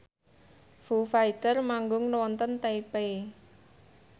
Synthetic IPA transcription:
fufait̪ərmaŋɡʊŋnwɔnt̪ənt̪eipe

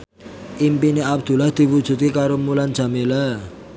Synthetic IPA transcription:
impineap̚d̪ulahd̪ibut͡ʃut̪ikaɾomuland͡ʒamela

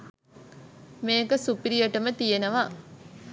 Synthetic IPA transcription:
meːkəsupiɾijəʈəmət̪ijenəʋa

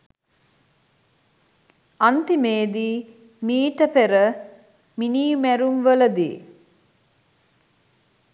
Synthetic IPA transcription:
ant̪imeːd̪iː | miːʈəpeɾə | miniːmæɾumʋələd̪ḭː

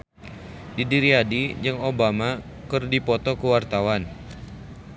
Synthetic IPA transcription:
didiɾiadid͡ʒaŋobama | kɨrdipɔt̪ɔkəwart̪awan

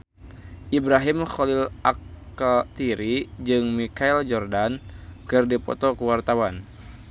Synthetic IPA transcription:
ʔibɾaɦimxɔlɪlʔakːat̪iɾid͡ʒɨŋmikaild͡ʒɔrdankɨrdipɔ̰t̪ɔkəwart̪awan

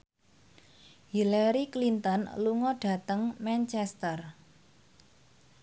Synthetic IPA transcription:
hilaɾiklint̪ɔnluŋɔɖ̥ä̤t̪əŋmɛnt͡ʃɛst̪ər

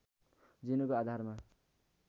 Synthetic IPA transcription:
d͡zinukoad̪ʱaɾma

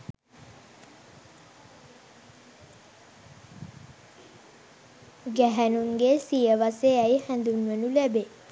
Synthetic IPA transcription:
ɡæɦænuŋɡesijəʋaseɛihænd̪unʋenulæbe

